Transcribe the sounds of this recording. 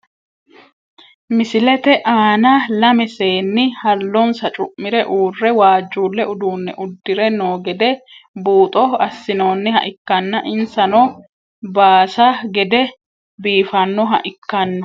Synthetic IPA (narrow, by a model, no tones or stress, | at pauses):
mɪsɪlɛt̪ɛʔaːnɐlɐmɛseːnːɪhɐlːɔnsɐt͡ʃʼʊʔmːɪɾɛʔuːrːɛwaːd͡ʒːuːlːɛʔʊd̪uːnːɛ̰ʔʊd̪ːɪɾɛnoːɡɛd̪ɛbuːt̪ʼɔɐsːɪno̞ːnːɪhɐ̰ʔɪkːɐnːɐʔɪnsɐnɔ | baːsɐɡɛd̪ɛ | biːfɐnːɔɦɐ̰ʔɪkːɐnːɐ